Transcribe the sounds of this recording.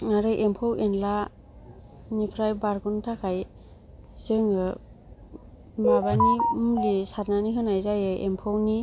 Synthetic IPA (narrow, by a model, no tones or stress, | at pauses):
ŋaɾɯʔempʰɯwʔenla | nipʰɾajbaɾɡʰɔntʰakʰaj | zɯŋɯ | babanimlisaɾnaniɦɯnajzajɯʔempʰawni